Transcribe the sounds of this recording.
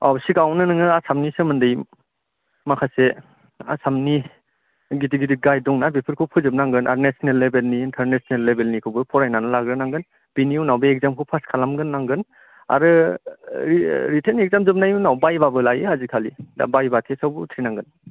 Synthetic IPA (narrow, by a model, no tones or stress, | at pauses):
awbsiɡawnɯnɯŋɯasamnisɯmɯndɯj | makʰase | a̰samni | ɡidiɡidiɡajdɔŋnabipʰɯɾkʰɯwpʰɯzɯp̚naŋɡɯnʔaɾnesɔnelːebelniːntʰaɾnesnelːebelnikʰɯwbɯpʰɔɾajnanɯlaɡɾɯnaŋɡɯn | b̥iniunawbeek̚zamkʰuwpʰaskʰalamɡɯnːaŋɡɯn | a̰ɾɯ | iɾitʰenek̚zamzɯp̚najuwnawbajbabɯlajɯɦazikʰalia̰bajbatʰesawbutʰɾinaŋɡɯn